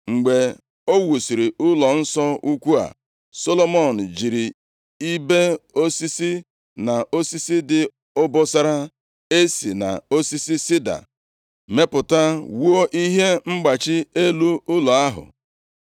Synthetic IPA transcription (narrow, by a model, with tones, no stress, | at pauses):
ŋ͡m̩˨ɡ͡be˨ | o˦wu˨si˨ɾi˨ʔʊ˦lɔ˨n̩˦sɔ˦u˦kʷu˦a̰˨ | so˦lo˦mɔ˦˨n̩˨d͡ʒi˨ɾi˨ | i˦be˦o˦si˦si˦ | na˨ʔo˦si˦si˦dɪ˨ | ʊ˦bɔ˦sa˦ɾa˦ | e˦si˨na̰˨o˦si˦si˦si˦da̰˨ | me˦pʊ˨ta˦wu˦o˦ʔi˦ɦe˦ŋ͡m̩˦ɡ͡ba˨t͡ʃɪ˦e˦lu˦ʊ˦lɔ˨a˦ɦʊ̰˨